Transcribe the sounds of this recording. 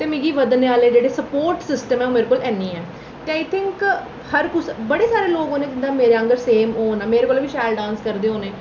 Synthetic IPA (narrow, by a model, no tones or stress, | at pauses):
t̪eːmɪ̃ːɡiːʋəd̪neːaːleːd͡ʒeːɽeːsəpoːɾʈsɪsʈəmɛːoːmeːɾekoːlɛːnĩːɛ̃ː | t̪eaːɪt̪ʰɪ̃ŋk | həɾkʊsbəɽeːsaːɾeːloːɡõːneːd͡ʒ̪ɪnd̪aːmeːɾeaə̃ŋɡəɾseːmoːnaːmeːɾekoːlːʋiːʃaːlɖãːnskəɾd̪eːɦõːneː